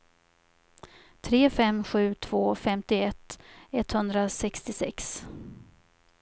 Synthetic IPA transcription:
t̪ʰɾeːfɛmɧʉ̟ːt̪ʰv̥oːfɛmt̪ɪɛt̪ːɛt̪hɵnd̪ɾasɛkst̪ɪsɛ̰ks

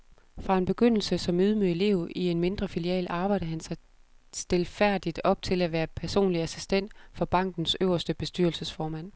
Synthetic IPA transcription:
fʁɑ̈e̝nb̥e̝ɡ̥øn̰l̩səsɒ̽myð̞ˠmøe̝le̝̰ʊie̝nme̝nd̥ʁɐfiliɛ̰ːlɑ̈ːb̥ɑ̈ɪ̰ɾ̥əɦænsɑɪ | sd̥e̝lfæɐ̰d̥id̥ɒ̽b̥̚t͡sʰe̝læʋæːɐpʰæɐso̝̰ːnliæsisd̥en̰d̥fɒ̽b̥ɑ̈ŋ̰ɡ̥n̩søʊ̰ɐsd̥əb̥e̝sd̥yɐlsəsfɒːmæn̰

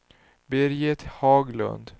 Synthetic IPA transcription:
beɾjɛt̪ʰhɑːɡlɵ̰nd̪

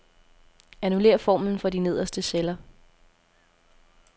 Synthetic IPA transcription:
ænule̝̰ːɐfɒ̰ːmn̩fɒ̽d̥ine̝ð̞̰ˠɐsd̥əselɐ

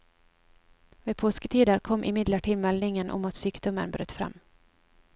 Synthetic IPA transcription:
vɛːd̪pʰoːskət̪ʰiːd̪əɾkʰɔmːʔɪmɪd̪ləʈʰɪːlmɛlnɪŋənʔɔ̰mat̪syːkd̪ɔmə̰nbɾø̰ːt̪fɾa̰mː

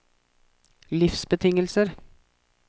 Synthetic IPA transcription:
lɪfsbət̪ʰɪŋəlsəɾ

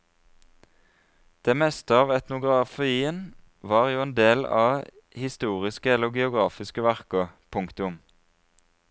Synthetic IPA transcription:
d̪̥eːmɛst̪əɑːʋɛt̪nʊɡʁɑfiːən | ʋɑːʁjuːeːnd̪eːlɑ̰ː | hɪst̪uːʁɪskəɛləɡɛʊɡʁɑːfɪskəʋæʁkəpʰʊŋkt̪ʊm

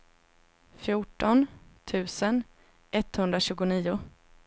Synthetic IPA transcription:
fjʊʈːɔnt̪ʰʉ̟ːsən | ʔɛt̪ːhɵnd̪ɾaɕʉ̟ːɡʊniːʊ

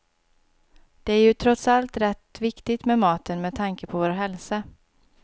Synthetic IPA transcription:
d̪̥ɛæɾjɵt̪ʰɾɔt̪salt̪ɾɛt̪vɪkt̪ɪt̪mɛmɑːt̪ənmɛd̪̚t̪ʰaŋkəpʰɔvoːɾɦɛlsa

